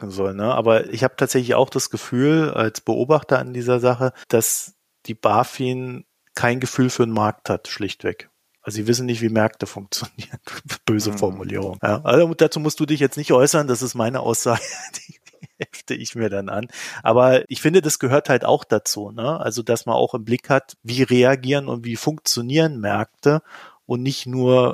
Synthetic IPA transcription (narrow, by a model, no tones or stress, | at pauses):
kŋ̩zɔlnəʔa̰ːbɐɪ̰çhaːbətʰaːtz̥ɛçlɪça̰ʊxd̥asɡ̥əfyːla̰lsb̥əʔo̰ːbaχtɐa̰ndiːzɐzaχəd̥as | d̥iːb̥aːfiːn | kʰaɪnɡəfyːlfyːɐnmaɐk̚thatʃlɪçtv̥ɛk | ʔalzoziːvɪs̬n̩nɪçtv̥iːmɛɐk̚təfʊŋk̚t͡sjoniːʁənb̥øːzəfɔɐmulḭːʁ̞ʊŋja̰ːʔazd̥at͡suːmʊstd̥uːdɪçjɛt͡stnɪçtʔɔʏsɐnd̥asɪstmaɪnə̰ʔa̰ʊsz̥aːɡəd̥iː | hɛlftəʔɪçmiːɐdanʔa̰nʔa̰ːbɐʔɪçfɪndədasɡ̥əɦøːɐthalta̰ʊxd̥at͡suːnəʔa̰lzodasmanʔa̰ʊxɪmblɪkhatviːʁeaɡiːʁənʊ̰ntv̥iːfʊŋk̚t͡sjoniːʁənmɛɐk̚təʔʊntnɪçtnuːɐ